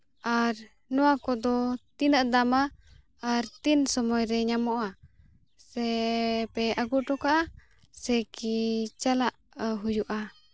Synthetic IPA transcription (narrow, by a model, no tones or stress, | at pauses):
aɾ | nɔwakɔd̪ɔt̪inaʔd̪amaː | ɾt̪insɔmɔjɾɛɲamɔʔa | sɛpɛʔaɡuʈɔkaʔa | sɛkit͡ʃalaʔ | ɦujuʔa